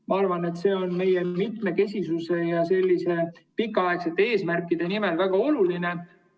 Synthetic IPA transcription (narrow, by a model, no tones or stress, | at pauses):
mɑɑrvɑne̞t̪ːse̞ːo̞nme̞jemit̪me̞ke̞sʲisuse̞jɑse̞lʲːise̞pikːˑɑɑe̞kse̞t̪ːˑee̞ːsmærkːˑid̪̥e̞nimelvæɡ̥ɑo̞luline